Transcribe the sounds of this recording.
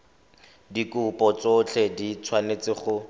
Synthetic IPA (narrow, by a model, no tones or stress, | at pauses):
dikʊpɔt͡sʊt͡ɬʰɛdit͡sʰwanet͡sɪχʊ